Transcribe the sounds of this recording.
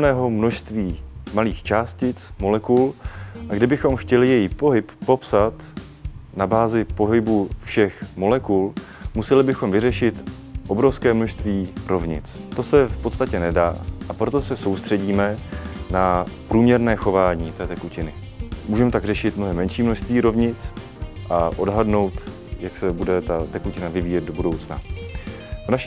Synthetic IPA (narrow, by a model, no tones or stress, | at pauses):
nɛːɦo̞mno̞ʃst̪viːmaliːxt͡ʃaːscɪt͡smo̞lɛkulʔaɡdɪbɪxo̞mxcɛlɪjɛjipo̞ɦɪpːo̞psat̪ | nabaːzɪpo̞ɦɪbufʃɛxmo̞lɛkul | musɛlɪbɪxo̞mvɪrɛʃɪt̪ | ʔo̞bɾo̞fskɛːmnoʃst̪viːɾo̞vɲɪ̰t͡st̪o̞sɛfpot̪st̪acɛnɛdaːʔapɾo̞t̪o̞sɛso̞wst̪r̥ɛɟiːmɛnapɾuːmɲɛɾnɛːxo̞vaːɲiːt̪ɛːt̪ɛkucɪnɪ | muːʒɛmɛt̪aɡr̝ɛʃɪt̪mnoɦɛmːɛnʃiːmnoʃst̪viːɾo̞vɲɪt͡s | ʔaʔo̞dɦadno̞wt̪ | jaksɛbudɛt̪at̪ɛkucɪnavɪviːjɛd̪̚dobudo̞wt͡sna | vnaʃi